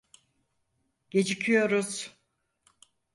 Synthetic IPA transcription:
ɟ̥e̞d͡ʒicʰyjo̞ɾuz̥

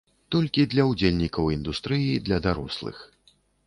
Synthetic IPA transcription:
t̪ɔlʲkʲid̪lʲɐwd͡zʲelʲnʲikɐwind̪ust̪ɾɨjid̪lʲɐd̪aɾɔ̰slˠɨ̰x

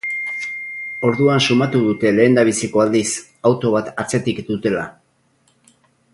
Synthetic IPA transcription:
o̞ɾðuansumat̪uðut̪e̞le̞ːnd̪aβ̞isiko̞ald̪is | awt̪o̞β̞at̪at͡se̞t̪ikd̪ut̪e̞la

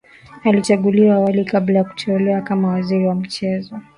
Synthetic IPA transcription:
alit͡ʃaɠuliwaːwalikablajaku̥tɛɛlɛwakamawaziɾiwam̩t͡ʃɛzɔ

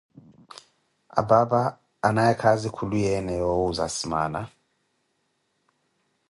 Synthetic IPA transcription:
a̰babaː | naɛkʰazikʰulujɛnɛjowuza̰sima̰ːna

